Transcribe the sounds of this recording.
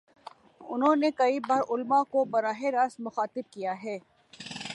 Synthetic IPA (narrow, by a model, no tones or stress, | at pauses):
ʊnɦõːnekɐibaːɾʔʊlmakobɐɾaːɦeɾaːsmʊxaːt̪ɪb̚kijaɦɛː